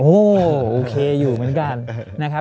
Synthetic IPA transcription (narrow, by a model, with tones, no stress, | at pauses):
ʔoː˧˩ʔoː˨˩kʰeː˧juː˨˩mɯ˩˦ənka˧nːa˦˥kʰa˦˥